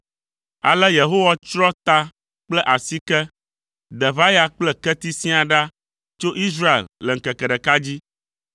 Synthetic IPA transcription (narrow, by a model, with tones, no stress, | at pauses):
a̰˨lɛ˦je˨ɦo˦wa˦t͡ʃɾɔ˦t̪a˦ | k͡plɛ˦ʔa˨si˦kɛ˦ | d̪ɛ˨va˦ja˦k͡plɛ˦kɛ˦t̪i˦sĩ˦a˨ɖa˦ | t͡ʃo˦ʔi˦s̬ɾa˦ḛ˨llɛ˨ŋ̩˨kɛ˨kɛ˨ɖɛ˨ka˦d͡ʑi˦